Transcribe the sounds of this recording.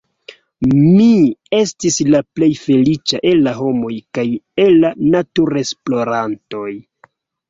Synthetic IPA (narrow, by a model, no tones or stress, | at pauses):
mie̞stislaple̞jfe̞lit͡ʃaʔe̞lːaɦo̞mo̞jkaje̞lːanatuɾe̞splo̞ɾanto̞j